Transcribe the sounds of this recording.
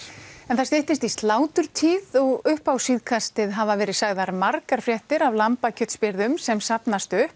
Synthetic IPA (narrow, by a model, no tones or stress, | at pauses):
ɛnθaɾst̪eht̪ɪst̪ist̪laːwt̪ʏɾ̥t̪ʰiːðɔɣʏhpawsiðkʰast̪ɪðɦavavɛːɾɪðsaɣðaɾmaɾkaɾ̥fɾjɛht̪ɪɾavlampacʰœt̪spɪɾðʏmsɛmsapnast̪ʏhp